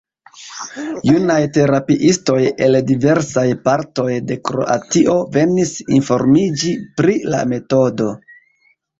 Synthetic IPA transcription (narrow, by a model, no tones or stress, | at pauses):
junajte̞ɾapiʔisto̞je̞ldive̞ɾsajpaɾto̞jde̞kɾo̞̰ʔa̰tiʔo̞ve̞nisinfo̞ɾmid͡ʒipɾila̰me̞to̞do̞